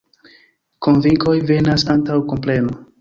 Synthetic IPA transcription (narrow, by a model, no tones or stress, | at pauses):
ko̞nviŋko̞jve̞nasantawkomple̞mo